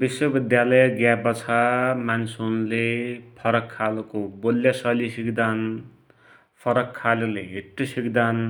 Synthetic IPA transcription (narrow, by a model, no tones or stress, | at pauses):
biswʌbid̪jalʌjʌɡjabʌt͡sʰamansʰoɦnulepʰʌɾʌkʰːalkobolːjasʌlisikd̪an | pʰʌɾʌkʰːaleleɦiʈːisikd̪an